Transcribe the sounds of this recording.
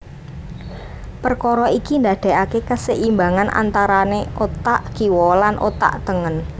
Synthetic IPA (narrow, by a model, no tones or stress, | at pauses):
pərkɔɾɔikind̪a̤d̪̥ɛ̤akekəsəʔimbaŋanʔa̰nt̪aɾaneot̪aʔkiwɔlanʔo̰t̪a̰ʔt̪əŋən